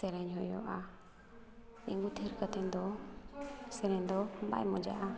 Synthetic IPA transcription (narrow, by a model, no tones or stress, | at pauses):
sɛɾɛɲɦɔjɔ̰ʔa | ḭŋɡut̪ʰɛɾkət̪ɛnd̪ɔ | sɛɾɛɲd̪ɔba̰jmɔd͡ʒa̰ʔa